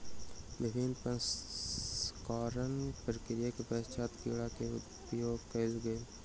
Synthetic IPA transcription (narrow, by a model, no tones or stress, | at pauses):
ʋɪbʱɪnpən | kaːɾənpɾəkɾɪjakepɛːst͡ʃʰaːt̪kiɭakeʊ̰ | joːɡkɐlɡəe